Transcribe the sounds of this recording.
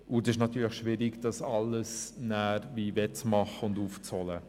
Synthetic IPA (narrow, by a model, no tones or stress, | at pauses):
ʊdɪʃnɑt̪yːɾləχʃʋɪɾɪɡd̥ɑsɑlːəsnæːɾviːvɛt͡smɑχəʊnduːft͡sɔlə